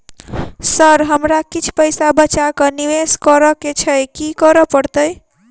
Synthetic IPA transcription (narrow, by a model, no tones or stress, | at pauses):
səɾɦəmɾakit͡ʃʰpəjsabət͡ʃakəniʋeskəɾəket͡ʃʰəjkikəɾəpəɾt̪əj